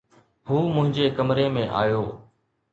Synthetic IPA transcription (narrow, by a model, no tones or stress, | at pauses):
huːmʊ̃ɦɪ̃ɲd͡ʑeːkəmɾeːmẽːʔa̰ːjoː